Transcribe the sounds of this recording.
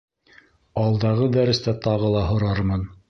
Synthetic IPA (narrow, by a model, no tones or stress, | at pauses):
ɑlˠd̪ɑʁɤd̪æɾɘ̆st̪æt̪ɑʁɤlˠɑɦŏɾɑɾmɤn